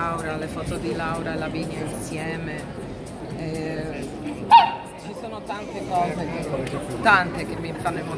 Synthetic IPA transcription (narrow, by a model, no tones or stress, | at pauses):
awɾalefɔːt̪od̪ilawɾaelaviɲːainsjɛːme | ɛ | t͡ʃisoːnot̪ant̪ekɔːze | t̪ant̪ekemːimfanːemo